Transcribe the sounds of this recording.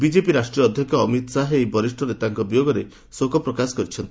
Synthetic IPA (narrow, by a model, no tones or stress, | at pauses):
bid͡ʒepiɾasʈɾiɔɔd̪ʱjɔkʰɔːmit̪ɔsaɦeejbɔɾisʈɾɔɾet̪aŋkɔbijoɡɔɾe | sokɔpɾɔkasɔ̥kɔɾit͡ʃʰɔnt̪i̥